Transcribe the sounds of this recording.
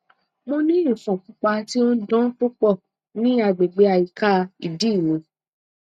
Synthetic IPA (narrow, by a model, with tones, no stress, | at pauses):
mõ˧nĩ˦ĩ˦˨fɔ̃˨k͡pũ˨˦k͡pa˧ti˦o˦n̩˦dɔ̃˦k͡pu˦k͡pɔ˦˨ | nĩ˦a˧ɡ͡be˨ɡ͡be˧˦a˧˨i˨ka˦˧i˨di˦˨wĩ˧˦